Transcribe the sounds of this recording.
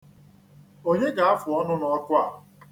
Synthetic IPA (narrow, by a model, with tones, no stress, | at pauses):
o˦ɦe˦ɡa˨a˦fʊ˨ɔ˦nʊ˦nɔ˦ɔ˦kʷʊ˦a˨